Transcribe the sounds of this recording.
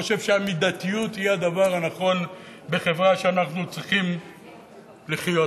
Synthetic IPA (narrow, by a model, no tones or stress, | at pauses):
oʃe̞vʃeamid̪at̪ijut̪hijead̪avaʁanaχo̞n | be̞χe̞vʁaʃeanaχnut͡sʁiχim | liχjo